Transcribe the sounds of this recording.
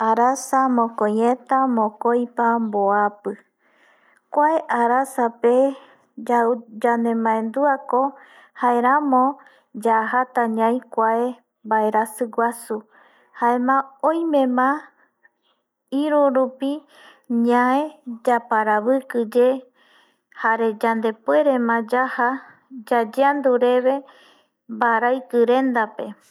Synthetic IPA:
aɾasamõkojẽt̪amõkojpamboapɨ | kʷaeʔaɾasape | d͡ʒanẽmãẽnd̪uako | haeɾamõ | d͡ʒaɦat̪aɲãj̃kʷae | mbaeɾasɨɡʷasu | haemãõjmẽ̞mã | iɾuɾupi | ɲãẽd͡ʒapaɾaβɨkɨd͡ʒe̞ | haɾe̞d͡ʒand̪e̞pwe̞ɾe̞mãd͡ʒaha | d͡ʒad͡ʒeand̪uɾe̞βe̞ | mbaɾajkɨɾẽ̞nd̪ape̞

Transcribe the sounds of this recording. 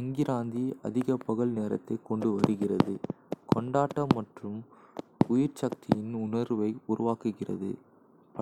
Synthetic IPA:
ɛŋɡɪɾaːnd̪iɐ̰ðɪɣɐpːɐɣɐɭneːɾɐ̰t̪ːɐɪkːɔɳɖɯʋɐɽɯɣɪrɐðɯkʰɔɳɖaːʈːɐmːɐʈrɯm | ʊjɪɾt͡ʃɐk̚t̪ʰɪjɪnʊnɐɾʋɐɪʊɾʊʋaːkɯɣɪrɐ̰ðɯ̰ | pɐ

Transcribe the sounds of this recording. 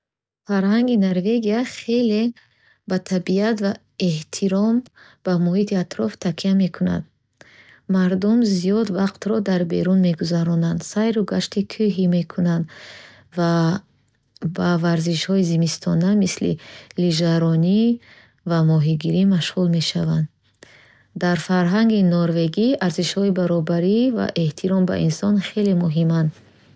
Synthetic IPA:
faɾhaŋɡinaɾve̞ɡiaχe̞le̞ | bat̪ʰabiat̪va | eht̪ʰiɾɔm | b̥amɔhit̪ʰiat̪ɾɔft̪ʰakʰiame̞kʰuna̰d̪ | maɾd̪umziɔd̪vaqt̪ɾɔd̪aɾbeɾunme̞ɡuzaɾɔnand̪sajɾuɡaʃt̪ikʰuɦime̞kʰunand̪ | va | bavaɾziʃhɔizimist̪ʰɔnamislḭliʒaɾɔni | vamɔɦiɡiɾimaʃʁulme̞ʃavand̪ | d̪aɾfaɾɦaŋɡinɔɾve̞ɡiaɾziʃhɔibaɾɔbaɾiva̰ʔe̞ht̪ʰiɾɔmba̰ʔinsɔnχe̞lemuɦimand̪

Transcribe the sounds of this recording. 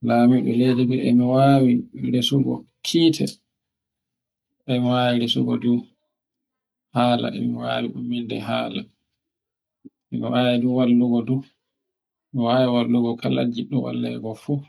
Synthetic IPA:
laːmiɗulediɡuɛmiwaːwiɾesuɡɔ̰ | kʰiːtʰɛ | ʔɛmiwawiɾesṵɡɔdu | haːla̰ɛ̰miwawiɗumːindɛɦaːla | ʔɛmiwaːwiduwalːuɡɔdu | miwaːwiwalːuɡɔkʰala̰d͡ʒiɗɔwa̰lːɛ̰ɡɔfu

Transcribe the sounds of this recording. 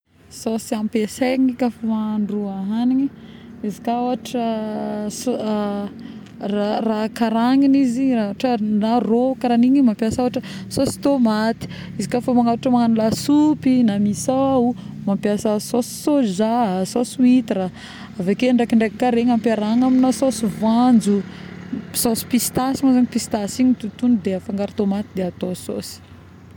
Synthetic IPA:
sosiampeseŋikafomaɳɖ͡ʐuaɦaniɲi | izikaoaʈ͡ʂəso | rarakaɾaŋiniziɾaaʈ͡ʂənarokaɾaniɲimampjasaaʈ͡ʂəsosi̥t̪omat̪i̥ | izikafomaŋawaʈ͡ʂəmaŋanulasupinamisaaw | mampjasəsosi̥sozasosuit̪iɾa | avekeɳɖ͡ʐakiɳɖ͡ʐekikaɾeŋampaɾaŋaminasosivand͡zu | sosi̥pist̪asimazaɲipist̪asiɲit̪ut̪unid̪eafaŋɡaɾit̪omat̪id̪eat̪oso̰si̥

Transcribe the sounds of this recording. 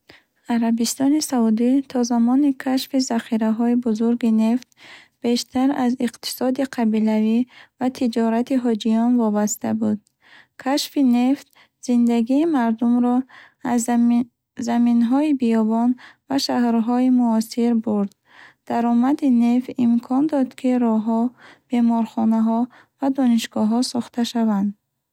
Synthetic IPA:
aɾabist̪ɔnisaud̪it̪ʰɔzamɔnikʰaʃfizaχiɾaɦɔibuzuɾɡine̞ft̪̚ | b̥e̞ʃt̪ʰaɾaziqt̪ʰi̥sɔd̪iqʰabilavivat̪ʰid͡ʒɔɾat̪iɦɔd͡ʒijɔnvɔbast̪ʰa̰bud̪̚ | kʰaʃfine̞ft̪ | z̥ind̪aɡiːmaɾd̪umɾɔ | az | zaminɦɔibijɔbɔnvaʃahɾɦɔimuɔsiɾbuɾd̪ | d̪̥aɾɔmad̪inefimkʰɔnd̪ɔd̪kʰiɾɔɦɔb̥e̞mɔɾχɔnaɦɔ | vad̪ɔniʃɡɔɦɔsɔχt̪ʰaʃavand̪

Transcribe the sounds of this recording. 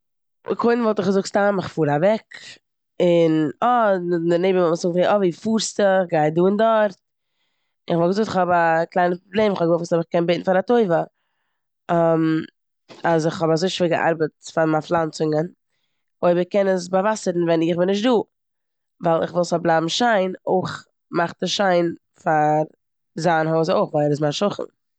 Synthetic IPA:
kʰoɪnvɔlˠtɪχɡəzʊkstamɪχfuːɾavɛk | ɪnɔndəneɪbəvɔməzʊk̚tviʔɔviːfuːɾstəχɡaɪduːɪndɔɾt | ɪnɪχvɔlˠɡəzʊktɪχhɔbaklˠaɪnəpɾoblˠeːmɪχvɔbɡəzɔfsɔbɪχkɛnbeɪtn̩faɾatoɪvə | am | asɪχhɔbazoɪʃɪɡə̰ʔa̰ɾbətfaɾmaflˠant͡sɪŋən | oɪbəkɛnəsbavasəɾn̩vɛnɪχbɪnɪʃtduː | valˠɪ̰χvɪlˠsɔblˠaːbm̩ʃaɪnoɪχ | maχtəʃaɪn | faɾ | zaːnhozoɪχvalˠɛɾɪs̬maʃʊχn̩

